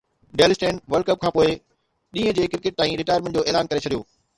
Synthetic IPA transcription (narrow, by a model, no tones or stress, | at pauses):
ɖeːlɪsʈẽːnʋɐɾɖkəp̚kʰãːpoːɪ | ɗĩːə̃d͡ʑeːkɪɾkeʈ̚t̪aːĩɾɪʈaːjəɾmə̃ɳʈ̚d͡ʑoːeːlaːnkɐɾet͡ɕʰɐɗijo̰ː